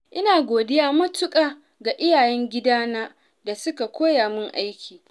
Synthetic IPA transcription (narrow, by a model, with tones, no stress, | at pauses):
ʔɪ˦naː˨ɡʷoː˨dɪ˦jaː˦mɐ˦tʊ˦kʼaː˨ | ɡa˨ʔɪ˦jaː˨jɛ˦ŋɡʲɪ˦daː˦naː˦ | da˨sʊ˦ka˨kʷʰoː˦jaː˨mɪ˦ŋʔa˦jkʲiː˨